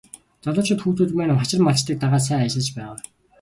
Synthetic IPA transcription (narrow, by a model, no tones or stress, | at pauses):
t͡sɔɮɞ̆t͡ɕʰʊ̆t̪xuːt̪ʰuːt̪mæːnə̆mχat͡ɕɪ̆rmaɮt͡ɕt̪iːk̚t̪aʁaːs̬æːat͡ɕɪ̆ɮt͡ɕpæːʁaː